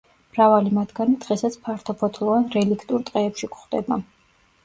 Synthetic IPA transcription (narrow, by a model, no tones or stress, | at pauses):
mɾavalimat̪ʰɡanid̪̥ʁɛsat̪sʰpʰaɾt̪ʰɔpʰɔt̪ʰlˠɔvanɾɛlikʰt̪ʼuɾt̪ʼqʼɛːpʃikχd̪ɛ̰ba